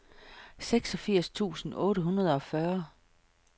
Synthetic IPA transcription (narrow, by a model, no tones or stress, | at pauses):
seɡ̥sɒ̽fiɐ̰st͡sʰṵːsn̩ɔ̽ːɾəɦunɐð̞ˠɒ̽fɶɐ